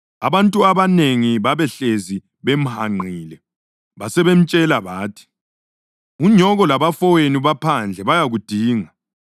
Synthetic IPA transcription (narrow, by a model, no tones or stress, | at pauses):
aβantʼuaβaneŋiβaβɛɬezi | βem̩haŋ͡ǃʱiːlɛ | βasɛβem̩t͡ʃʼɛlaβaːtʰi̥ | uɲɔɣɔlaβafɔweniβapʰand͡ɮʱɛβajaɣud̥ʱiːŋa